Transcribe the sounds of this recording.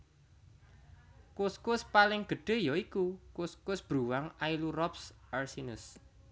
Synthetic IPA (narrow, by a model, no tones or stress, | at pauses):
kʊskʊspalɪŋɡ̥ə̤ɖ̥e̤jɔikukuskʊsb̥ɾṳwaŋailuɾɔpsarsinəs